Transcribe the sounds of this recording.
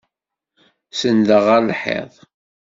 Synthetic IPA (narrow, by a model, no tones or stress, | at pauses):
səndəʁəɾlħḛðˤ